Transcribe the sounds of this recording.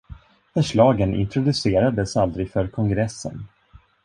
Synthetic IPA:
fœʂɭɑːɡənɪ̰nt̪ʰɾʊd̪ɵseːɾad̪əsald̪ɾɪɡfœɾkʰɔŋɡɾɛsːə̰n

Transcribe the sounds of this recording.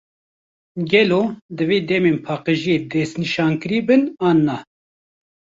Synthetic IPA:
ɡɛloːd̪ɨveːd̪ɛmeːnpʰɑːqeʒijeːd̪ɛsniʃɑːnkɨɾiːbɨnɑːnːɑː

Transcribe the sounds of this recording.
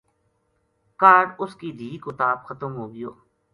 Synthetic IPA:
kaːɾʊskid̪ʱiːkot̪aːb̚xət̪əmɦoːɡɪjoː

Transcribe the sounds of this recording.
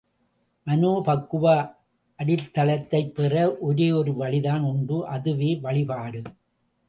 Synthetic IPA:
mɐnoːpɐkːɯʋa | ʔɐɽɪt̪ːɐlɐt̪ːɐɪpːɛrɐʔɔɾeːɔɾɯʋɐɭɪðaːnʊnbɯʔɐðɯʋeːʋɐɭɪpaːɽɯ

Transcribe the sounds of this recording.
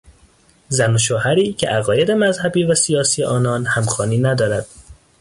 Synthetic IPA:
zænoʃoːhæɾiːcʰeʔæɣɒːje̞d̪e̞mæzhæbiːvæsijɒːsijeʔɒːnɒːnhæmxɒːniːnæd̪ɒːɾæd̪̥̚

